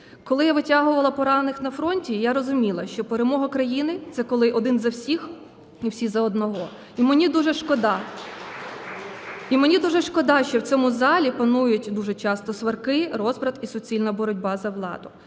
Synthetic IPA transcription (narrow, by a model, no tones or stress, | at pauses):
kɔlˠɪjaʋɪtʲaɦʊʋɐlˠɐpɔɾɑnnɪxnɐfɾɔnʲtʲijaɾɔzʊmʲilˠɐʃt͡ʃɔpeɾemɔɦɐkɾɐjinɪt̪sɛkɔlˠɪʔɔd̪ɪnzɐwsʲix | iwsʲizɐɔd̪nɔɦɔ | imenʲid̪uʒɛʃkɔd̪ɑ | imenʲid̪uʒɛʃkɔd̪ɑʃt͡ʃɔwt͡sʲɔmʊzɑlʲipɐnujʊtʲd̪uʒɛt͡ʃɑst̪ɔsʋɐrkɪɾɔzpɾɐt̪isɔt͡sʲilʲnɐbɔɾɔdʲbɑzɐʋlˠɑ̰d̪ʊ